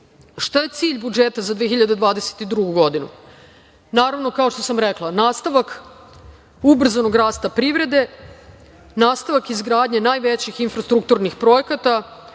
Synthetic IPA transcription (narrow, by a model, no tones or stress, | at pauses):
ʃt̪aje̞t̪siːʎbud͡ʒet̪azad̪ʋexiʎad̪ed̪ʋaːd̪e̞se̥t̪id̪ɾuɡuɡo̞d̪inṵ | naːɾaʋno̞kao̞ʃt̪o̞samɾeklˠanaːst̪aʋak | ubr̩zano̞ɡɾaːst̪apɾiʋɾe̞d̪e | naːst̪aʋakizɡɾaːd̪ɲenaːjʋet͡ɕixinfɾast̪ɾuk̚t̪uɾnixpɾo̞jekat̪a